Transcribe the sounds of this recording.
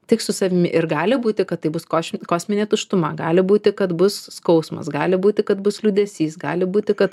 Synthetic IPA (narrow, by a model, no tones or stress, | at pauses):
tʲɪksʊsɐʋʲɪmʲɪʔɪrɡɑːlʲɪbuːt̪ʲɪkɐt̪t̪ːɐɪbʊskoːsʲkoːsʲmʲɪnʲeːt̪ʊʃt̪ʊmɐɡɑːlʲɪbuːt̪ʲɪkɐt̪bʊsːkɒʊsmɐ̰sɡɑːlʲɪbuːt̪ʲɪkɐt̪bʊslʲuːd̪ʲɛsʲiːsɡɑːlʲɪbuːt̪ʲɪkɐt̪